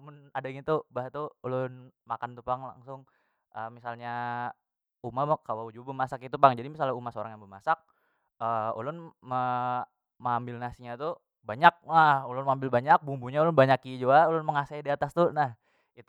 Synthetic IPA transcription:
mʊnadaŋit̪ubaɦt̪uulʊnmakant̪upaŋla̰ŋsʊŋ | ʔəmisalɲa | umakalod͡ʒuabəmasakit̪upaŋd͡ʒadimisalaumahsoɾaŋjaŋbəmasak̚ | əṵlʊnmə | mambɪlnasiɲat̪u | baɲak̚nahulʊnmambɪlbaɲak̚bumbuɲaulʊnbaɲakid͡ʒuaulʊnməŋasaidiat̪ast̪unah | it̪

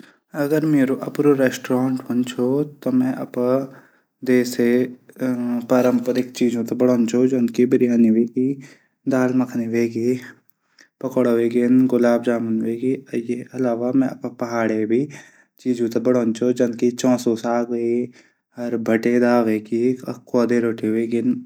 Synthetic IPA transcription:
ɐɡəɾmeːɾoʔɐpɾoɾɛːsʈɾãːɳʈbɐnt͡ʃʰot̪omɛ̃ʔɐ̰pa | d̪eːse | paːɾə̃mpəd̪ɪk̚t͡ʃiːd͡ʒõt̪ɐbɐɽoːnt͡ʃʰod͡ʒɐnkibɪɾɪjaːniʋeːki | d̪aːlmɐkʰniʋeːɡi | pɐkəɽoʋeɡenɡʊlaːbd͡ʒaːmənʋeːɡijeɐlaːʋamɛ̃ɐppɐɦaːɽebʱi | t͡ʃiːd͡ʒũt̪ɐbɐɽoːnt͡ʃʰod͡ʒɐnkit͡ʃɔ̃ːsosaːɡe | ɐɾbʱɐʈed̪aːʋekikoːd̪eɾoːʈiʋeːɡɪn

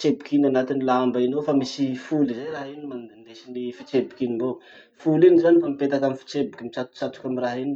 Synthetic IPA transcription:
it͡ʃebikinanat̪inilambainofamisifulizajraɦinimand̪nd̪esinifit͡sebi̥kinimbo | fulinizanifamipet̪akamifi̥t͡sebikʲimit͡ʃat̪u̥t͡ʃat̪u̥kʲamiraɦini

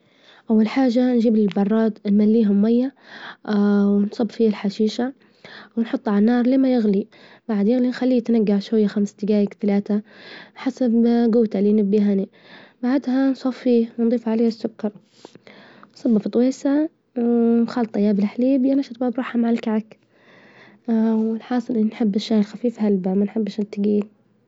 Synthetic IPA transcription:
ʔawːalħaːʒanʒiːbɪlbɑrˤːɑːt̪nmalːiːɦʊmːajːa | wɪnsˤɑbfiːalħaʃiːʃa | wɪnħʊt̪ˤːʕalanːɑːɾˤleːmajɪɣli | b̥aʕd̪jɪɣlinxalːiːt̪naɡːaʕʃwajːaxamst̪ɪɡaːjɪkt̪alaːt̪aħasabɡuːt̪alinɪbːiɦani | baʕd̪hansˤɑfːiːwnd̪ˤiːfʕaleːhasːʊkːɑɾˤ | nsˤɑbːɑft̪ˤːweːsa | wnxɑːlt̪ˤɑjaːbɪlħliːbjanaʃɑt̪ˤbaːbɾɑːħamaʕalkaʕak | wɪlħɑːsˤɨlʔɪnːinħɪbːɪʃːaːlxafiːfhalbamanħɪbːʃɪt̪ːɪɡiːl

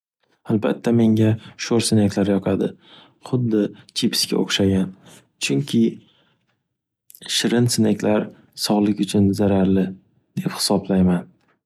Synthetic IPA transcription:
alˠba̰t̪ʰːame̞ŋaʃoɾsɪnekʰʲlaɾjɒqʰad̪ɪ | χʊd̪ːɪt͡ʃʰɪpʰɪ̥skʲa̰o̰χʃaɡʲan | t͡ʃʰʊŋkʲʰɪ | ʃɪɾɪnsɪnekʲʰlaɾ | sɒʁlˠɪkʲʊt͡ʃʰʊnzaɾaɾlɪ | d̪̥e̞phɪ̥sɒblajman

